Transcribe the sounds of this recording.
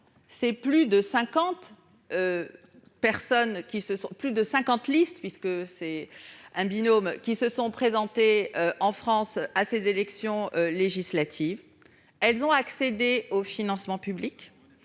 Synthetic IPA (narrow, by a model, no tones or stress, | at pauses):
sɛplyd̪əsɛ̃kɑ̃t̪ | ø | pɛʁsɔnkʲisəsɔ̃plyd̪əsɛ̃kɑ̃t̪list̪pɥiskəsɛɛ̃binomkʲisəsɔ̃pχezɑ̃t̪eøɑ̃fχɑ̃sasezelɛksjɔ̃øleʒislat̪ʰiv | ɛlzɔ̃aksed̪eofinɑ̃smɑ̃pyblik